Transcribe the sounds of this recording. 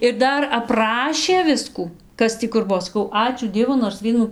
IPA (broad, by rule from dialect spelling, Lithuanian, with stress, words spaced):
ɪr ˈdɐr ɐpˈrɑːʃʲeː ˈʋʲɪskuː ˈkɐs tʲiː kʊr ˈbuɔ sɐˈkɐʊ ˈɑːt͡ʃʲuː ˈdʲiɛʋʊ noːrs ˈʋʲiɛnuː